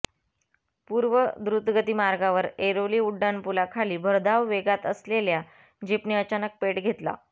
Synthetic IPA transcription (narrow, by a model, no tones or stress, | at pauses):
puɾʋəd̪ɾut̪ɡət̪iːmaɾɡaʋəɾeɾoliːuɖːanpulakʰaliːbʱəɾd̪aʋʋeɡat̪əslelja | d͡ʑipniːət͡ɕanək̚peʈɡʱet̪la̰